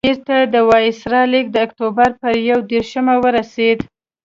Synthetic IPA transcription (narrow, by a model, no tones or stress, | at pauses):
iɾt̪ad̪əwɑjɪsɾɑlik̚d̪əːkt̪obaɾpəɾjawd̪eɾʃəmawəɾased̪